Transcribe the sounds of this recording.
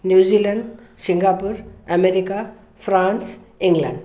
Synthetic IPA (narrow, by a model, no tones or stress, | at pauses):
njuzilaɳɖsiŋɡapuɾameɾika | pʰɾans | iŋɡla̰ɳɖ